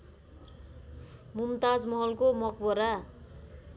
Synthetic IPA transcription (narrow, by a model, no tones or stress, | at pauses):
mumt̪ad͡zmʌɦʌlkomʌkbʌɾa